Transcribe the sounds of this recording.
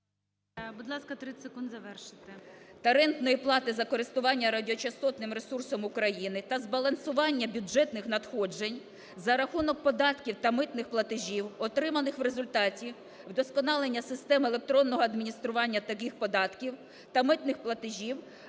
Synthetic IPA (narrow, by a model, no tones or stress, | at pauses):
bud̪lˠɑskɐt̪ɾɪsekund̪zɐʋɛrʃɪ̥t̪ɪt̪ɐɾɛnt̪nɔjiplˠɑt̪ɪzɐkɔɾɪst̪ʊʋɑnʲːɐɾɐdʲɔt͡ʃɐst̪ɔt̪nɪmɾesursɔmʊkɾɐjinɪt̪ɐzbɐlˠɐnsʊʋɑnʲːɐbʲʊd͡ʒɛt̪nɪxnɐt̪xɔd͡ʒenʲ | zɐɾɐxunɔk̚pɔd̪ɑt̪kʲiwt̪ɐmɪt̪nɪxplˠɐt̪ɪʒʲiwɔt̪ɾɪmɐnɪxʋɾezʊlʲt̪ɑtʲi | wd̪ɔskɔnɑlˠenʲːɐsɪst̪ɛmelˠek̚t̪ɾɔnːɔɦɔɐd̪mʲinʲist̪ɾʊʋɑnʲːɐt̪ɐkixpɔd̪ɑt̪kʲiw | t̪ɐmɪt̪nɪxplˠɐt̪ɪʒʲiw